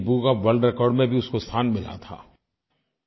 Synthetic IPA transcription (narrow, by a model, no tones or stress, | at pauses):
buɡaʋəlɖɾɛkɔːɾɖmẽbʱiʊskost̪ʰaːnmɪla̰t̪ʰa̰ː